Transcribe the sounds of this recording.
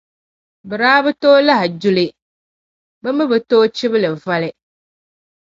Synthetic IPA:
bɨ˨ɾaː˦bɨ˦toː˦la˦hɪ˨d͡ʒu˦lɪ˨ | bɨ˦mɨ˦bɨ˨toː˦t͡ʃɪ˦bɨ˦lɨ˨va˦lɪ˨

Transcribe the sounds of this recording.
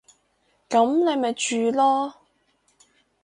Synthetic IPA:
kɐ˨˥mne˨˧jmɐ˨jt͡ʃyː˨˧lɔː˥

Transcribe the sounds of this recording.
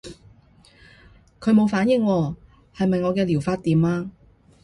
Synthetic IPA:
kʰɵ˨˧ɥmo˨˧wfaː˨˥njɪ˨˧ŋwɔː˧ | hɐ˨jmɐ˨jŋɔː˨˧kɛː˧liː˨˩wfaː˧t̚t̪iː˨mlaː˧

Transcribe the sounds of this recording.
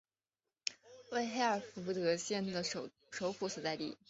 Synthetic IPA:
we˥˧ɪxe˥ɪə˞˨˩ft̪ɤ˧˥ɕjɛ˥˩nd̪ə˩˧˩ | ʂo˧˥ʊfu˧˥s̩˨˩t͡sa˥˧ɪt̪ḭ˥˩

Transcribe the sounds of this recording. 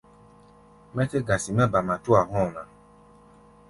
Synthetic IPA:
mɛ̃˦te˦ɡa˨si˨mɛ̃˦ba˨mã˨t̪u˦a˨ɦɔ̃˦˨nã˨

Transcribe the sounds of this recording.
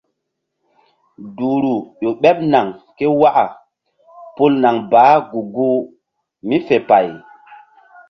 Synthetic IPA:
duː˨ɾu˨ɗo˨ɓɛ˦p̚na˨ŋke˦wa˦ʔa˨ | pu˦lna˨ŋbaː˨˦ɡu˨ɡu˦ | mi˦fe˨pa˨j

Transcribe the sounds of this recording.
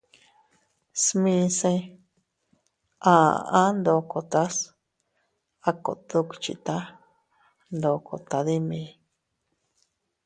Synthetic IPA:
smĩ˧˦sẽ˦˧ | ã˨˧ʔã˦nd̪o˧ko˨t̪a˦s | a˦ko̰˨t̪u˧˦kt͡ʃḭ˧t̪a˦ | nd̪o˧kʰo˨t̪a˨˧ði˦mĩ˧

